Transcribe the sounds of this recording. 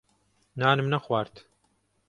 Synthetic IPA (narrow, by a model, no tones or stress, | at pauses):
naːnɨmnɐxwaːɾt̪